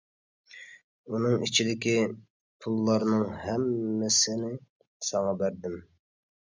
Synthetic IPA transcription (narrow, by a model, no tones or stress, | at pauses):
unɨŋit͡ʃʰid̪ɪkʲi | pʰulˠːɑɾnɨŋhɛmːɪsɪnɪ | sɑŋɑbæɾd̪ɪm